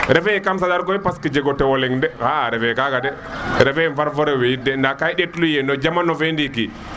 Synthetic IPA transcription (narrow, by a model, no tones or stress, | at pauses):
ɾɛfɛɛkams̬adaɾkɔipaskid͡ʒɛɡɔtːɛwɔlɛŋdɛhaɾɛfɛɛkaɡadɛ | ɾɛfɛɛnfaɾfɔɾɛwɛjidɛndakaiɗetlujɛnɔd͡ʒamanɔfendiki